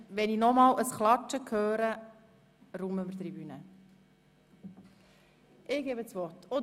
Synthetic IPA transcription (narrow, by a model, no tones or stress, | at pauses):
ʋɛninɔmɑːləsχlɑt͡ʃːəkʰøːɾə | ɾuməməɾt̪ribynə | ʔɪɡ̥eːbət͡sʋɔrto